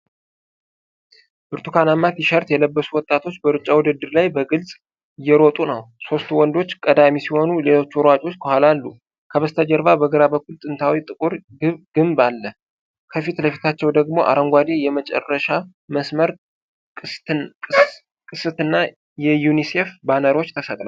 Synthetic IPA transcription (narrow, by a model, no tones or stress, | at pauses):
bɨɾt̪ʰukʰanamːat̪jiʃəɾt̪jɛləbːəsuwɔt̪ʼːat̪ʰo̞t͡ʃːbəɾɨt͡ʃʼːawɔd̪ɨd̪ːɨɾlajbəɡɨlsʼ | jɛɾot̪ʼunəwso̞st̪uwɔnd̪o̞t͡ʃːkʼəd̪amisiho̞nule̞lo̞t͡ʃːwɾwat͡ʃʼo̞t͡ʃːkʰəhalalːu | kʰəβəst̪ʰad͡ʒəɾvabəɡɨɾabəkʰːult̪ʼɨnt̪ʰawit̪ʼɨkʼuɾ | ɡɨmbalːə | kʰəfit̪ləfit̪ʰat͡ʃːɛwd̪əɡmo̞ʔa̰ɾəŋɡʷad̪e̞jɛmət͡ʃʼɛ̰rːəʃa | məsməɾʼ | kʼɨsɨt̪ɨnːa | jɛjunise̞fbanəɾwo̞t͡ʃːt̪ʰəsət̪ʼlal